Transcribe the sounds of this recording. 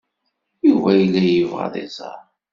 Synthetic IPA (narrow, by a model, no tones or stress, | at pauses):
ivæjəlːæjəvʁɑ̰ðˤḛzˤɑ̰ɾˤ